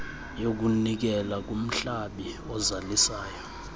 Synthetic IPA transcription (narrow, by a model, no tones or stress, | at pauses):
jok̬unik̬ɛlak̬um̩ɬaɓi | ɔzalisaːjɔ